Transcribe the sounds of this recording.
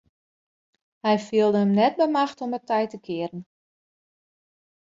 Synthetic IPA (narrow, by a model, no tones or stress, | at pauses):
hɛjfiəlˠdəɦəmnɛt̚bəmaxtomətɛjtəkʰɪəɾən̩